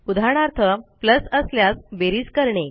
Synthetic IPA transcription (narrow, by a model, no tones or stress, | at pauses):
ud̪ʱaɳ̃aɾt̪ʰəpləsəsljasbeɾiːd͡zkəɾɳe